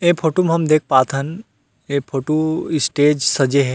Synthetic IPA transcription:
eːpʰoːʈomɦɐmd̪eːk̚ʰpaːt̪ʰən | eːpʰoːʈoɪsʈeːd͡ʒsɐd͡ʒeɦɛ

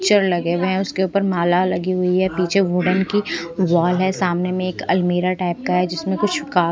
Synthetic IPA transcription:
t͡ʃəɾlɐɡeʋɦɛ̃ʊskeuːpəɾmaːlalɐɡiɦʊiɦɛpiːt͡ʃʰeʋʊɖənkiʋaːlɦɛsaːmnemẽeːkɐlmeːɾaʈaːɪp̚kaɦɛd͡ʒɪsmẽkʊt͡ʃʰkaː

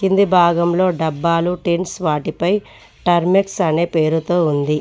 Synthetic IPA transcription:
kind̪ibʱaːɡɐmlo̞ːɖɐbːaːluʈeɳʈsʋaːʈipɐj | ʈɐɾmeksɐne̞ːpe̞ːɾut̪oːund̪i

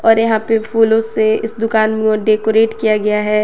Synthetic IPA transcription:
ɔːɾjɐɦãpepʰuːlõseɪsd̪ʊkaːnmẽɖeːkoɾeːʈkijaɡɐjaɦɛː

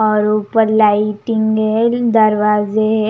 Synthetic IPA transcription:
ɔːɾupəɾlaːɪiʈɪ̃ŋɡed̪ɐɾʋaːze

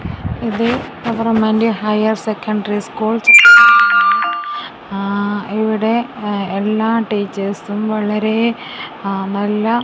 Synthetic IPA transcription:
iðɨɡɐʋɐrɐmendeɦɐjɐrsekːɐɳɖɐriskuːɭs | iʋiɽe̞elːaːʈiːt͡ɕːɐsumʋɐɭɐɾe̞ | nɐlːɐ

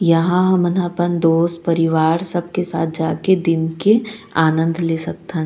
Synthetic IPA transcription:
jɐɦãɦɐmɐnãːpənd̪oːspɐɾɪʋaːɾsɐb̚kesa̰ːt̪̚ʰd͡ʒaːked̪ɪnkeaːnə̃nd̪ʱleːsɐk̚t̪ɦ

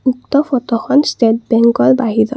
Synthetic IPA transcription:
ukt̪ɔfʰɔt̪ɔxɔnstet̚bɛŋkɔɹbaɦiɾɔ̰

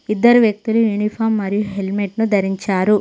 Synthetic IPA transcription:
id̪ːɐɾuʋjɐk̚t̪ulujuːnipʰaːɾmːɐɾijuɦelmeʈnud̪ʱɐɾiɲt͡ʃaːɾu

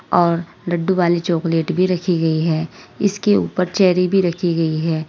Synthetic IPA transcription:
ɔːɾ | ɾɐɖːuʋaːlet͡ʃoːkleːʈbʱiɾɐkʰiɡɐiɦɛːɪskeṵːpəɾt͡ʃɛːɾibʱiɾɐkʰiɡɐiɦɛː

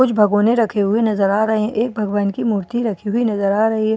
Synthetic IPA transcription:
ʊt͡ʃʰbʱɐɡõːnẽɾɐkʰeɦʊenɐzəɾaːɾɐɦeʔeːk̚bʱɐɡʋaːnkimuːɾt̪iɾɐkʰiɦʊinɐzəɾaːɾɐɦiɦɛ

